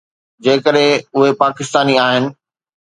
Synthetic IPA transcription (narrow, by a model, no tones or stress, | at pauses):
d͡ʑeːkəɗɦɪ̃ʊɦepaːkɪst̪aːniaːɦɪnɪ̆